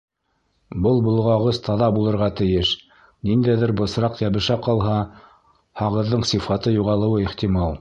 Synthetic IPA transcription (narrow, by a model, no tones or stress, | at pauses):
bɤlˠbŏlˠʁɑʁɤzt̪ʰɑðɑbulˠɤ̆ɾʁɑt̪ɘ̆jɘʃ | nind̪æjðɘɾbɤ̆sɾɑqjæβɘ̆ʃæqɑlˠɦɑ | hɑʁɤ̆ðːɤɴsifɑt̪ɤjuʁɑlˠɤ̆wɤiχt̪imɑlˠ